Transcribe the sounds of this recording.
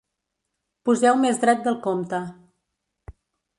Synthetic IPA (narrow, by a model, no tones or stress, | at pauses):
puzɛwmezd̪ɾɛt̪̚d̪əlˠkomt̪ə